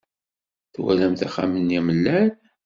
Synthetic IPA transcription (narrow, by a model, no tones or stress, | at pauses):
θwæ̰læmt̪æχa̰mənːiməlːæn